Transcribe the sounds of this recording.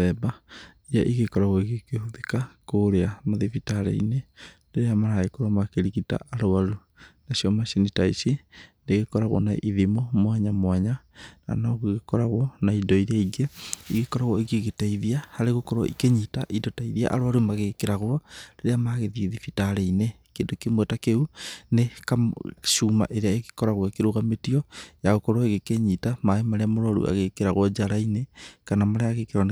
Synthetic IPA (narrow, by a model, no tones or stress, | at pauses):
ɛbaiɾaʔiɣekɔɾaɣɔiɣekehuðekakoɾeamoðifitaɾḛḭne | deɾeamaɾaɣekoɾamakeɾiɣita̰ʔaɾoaɾu | nasiɔmasinitaisindeɣekɔɾaɣwɔ̰naʔiðimomwaɲamwaɲana̰nɔɣuiɣekɔɾaɣwɔnaidɔiɾeaiɡeiɣekɔɾaɣwɔiɣeɣetaiðiahaɾeɣokɔɾwɔ̰ʔḭkeɲitaʔidotaiðia̰ʔa̰ɾwaɾumaɣekeɾaɣwɔɾeɾeamaɣeðiiðifitaɾeine | keːndokemwɛtakeunekaʃuːma̰ʔeɾeaeɣe̥kɔɾaɣwɔkeɾoɣametiɔjaɣokɔɾwɔeɣekeɲitamaemaɾeamoɾɔɾṵʔa̰ɣekeɾaɣwɔd͡ʒaɾainekanamaɾeaɣekeɾɔn